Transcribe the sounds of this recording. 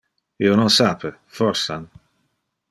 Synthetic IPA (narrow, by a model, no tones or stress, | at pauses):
iːononsaːpʰefɔrsa̰n